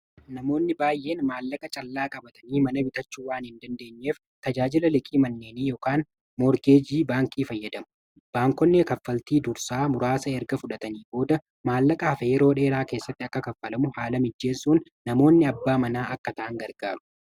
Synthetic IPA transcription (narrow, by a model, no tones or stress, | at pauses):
nɐmo̞ːnːɪbaːjʔe̞ːnmaːlːɐkʼɐt͡ʃʼɐlːaːkʼɐbɐt̪ɐniːmɐnɐbɪt̪ɐt͡ʃːuːwaːnhɪnd̪ɐnd̪e̞ːɲːe̞ːf | t̪ɐd͡ʒaːd͡ʒɪlɐlɪkʼiːmɐnːe̞ːniːjoːkaːn | mɔɾɡe̞ːd͡ʒiːbaːŋkʼiːfɐjːɐd̪ɐmʊ̥ | b̥aːŋkɔnːɛkɐfːɐlt̪iːd̪ʊɾsaːmʊɾaːsɐɛɾɡɐfʊᶑɐt̪ɐniːbo̞ːd̪ɐ | maːlːɐkʼɐhɐfɐjɛɾo̞ːᶑe̞ːɾaːke̞ːsːɐt̪ːɪɐkːɐkɐfːɐlɐmʊhaːlɐmɪd͡ʒːe̞ːsuːnːɐmo̞ːnːɪɐbːaːmɐnaːʔɐkːɐt̪ɐʔɐŋɡɐɾɡaːɾʊ̥